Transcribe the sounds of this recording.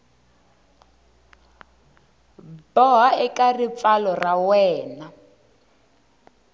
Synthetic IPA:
bɔɦaɛkarip̪falɔrawɛːna

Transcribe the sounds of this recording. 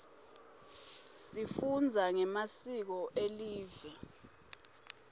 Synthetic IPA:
sifund͡zʱaŋɛmasik̬ɔʔeliːvɛ

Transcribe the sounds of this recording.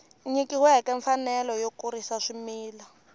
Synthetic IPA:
ɲikiwɛkɛɱfanɛlɔjokuɾisaʂimiːla

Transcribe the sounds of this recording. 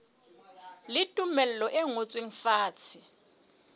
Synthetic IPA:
lɪtʼumɛlɛlɔʔeŋot͡sʼweŋ̩faːt͡sʰɪ

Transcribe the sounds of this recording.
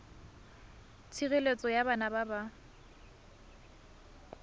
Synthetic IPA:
t͡sʰiɣelet͡sʼɔjabanababa

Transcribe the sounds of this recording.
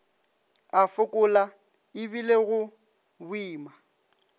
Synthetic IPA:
afʊkʼʊla | ɪbileɣʊ | bʊiːma

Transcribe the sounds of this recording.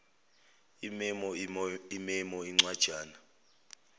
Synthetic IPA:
imɛmɔimɛmɔiŋ͡ǀwad̥ʒ̥ʱaːna

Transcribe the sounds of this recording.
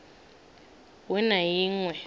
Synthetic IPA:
wɛnajiːŋwɛ

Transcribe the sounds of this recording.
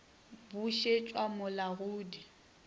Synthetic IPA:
buʃet͡ʃʼwamʊlaɣuːdi

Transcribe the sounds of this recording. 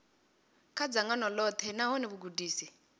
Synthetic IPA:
kʰad͡zaŋɡanɔlɔt̪ʰɛnaɦɔnɛβuɡudiːsi

